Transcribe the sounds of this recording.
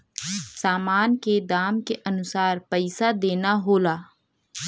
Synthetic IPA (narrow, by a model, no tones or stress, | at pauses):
saːmaːnked̪aːmkeʔɐnʊsaːɾpɛɪsad̪eːnaɦoːlaː